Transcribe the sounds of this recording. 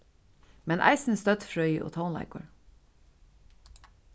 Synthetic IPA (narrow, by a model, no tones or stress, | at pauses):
mɛnʔæ̰ɪsn̩st̪œt̪fɹœʏʔo̰ːt̪ʰaʊnlæ̰ɪkəɹ